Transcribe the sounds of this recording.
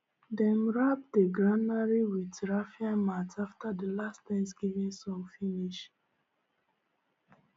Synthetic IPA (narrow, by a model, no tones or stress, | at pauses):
dɛ̃mɹap̚deɡɹãnaɹiwitɹafiãmataftadəlasttɛ̃ns̬ɡivĩnsɔ̃mfiniʃ